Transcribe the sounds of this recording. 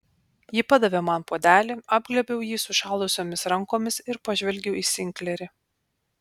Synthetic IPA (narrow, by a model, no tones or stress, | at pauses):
jɪːpɑd̪ɐʋʲeːmɐnpoːd̪ʲæːlʲɪɑːbɡlʲɛbʲɛʊjiːsʊʃɑːˑlˠʊsʲoːmʲɪsɾɐŋkoːmʲɪsɪɾpɐʒʲʋʲɛlʲɡʲɛʊiːsʲɪŋʲkʲlʲɛɾʲɪ